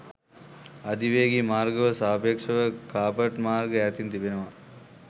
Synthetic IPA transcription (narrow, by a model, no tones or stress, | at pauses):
ɐd̪iʋeːɡimaːɾɡɐʋɐsaːpekʂɐʋəkaːpɐʈmaːɾɡəæːt̪int̪ibenɐʋa